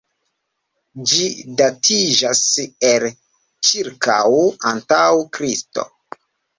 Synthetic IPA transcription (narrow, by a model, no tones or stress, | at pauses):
d͡ʒidatʰid͡ʒasel | t͡ʃiɾka̰wantawkɾisto̰